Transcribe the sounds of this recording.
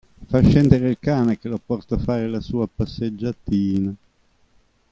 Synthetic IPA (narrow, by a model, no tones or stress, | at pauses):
faʃːɛnd̪eɾeilkaːnek̟elopɔrt̪afaːɾelasuːapasːed͡ʒːat̪iːna